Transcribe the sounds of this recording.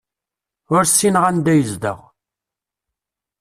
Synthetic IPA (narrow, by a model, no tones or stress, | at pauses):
ʊɾsːinʁænd̪æjəzd̪ə̰ʁ